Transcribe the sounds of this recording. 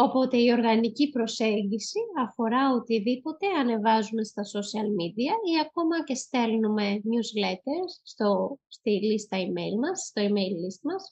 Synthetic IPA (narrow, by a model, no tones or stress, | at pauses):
o̞po̞t̪e̞io̞ɾɣɐnicipɾo̞se̞ɲɟisiɐfo̞ɾɐot̪iðipo̞t̪e̞ɐne̞vɐzume̞st̪ɐsosiɐlmid̪iɐiɐko̞mɐce̞st̪e̞lnume̞mɲuzle̞t̪e̞ɾsːt̪ost̪ilist̪ɐimejlmɐsst̪o̞imejlːist̪mɐs